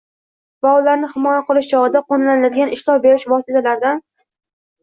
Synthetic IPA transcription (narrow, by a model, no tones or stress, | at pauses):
vaʊlaɾnɪhɪmɒjaqʰɨlˠɪʃd͡ʒɒʁɨd̪aqonlanɪlad̪ɪɡʲanɪʃlˠɒbeɾɪʃvɒsɪt̪ʰalaɾd̪an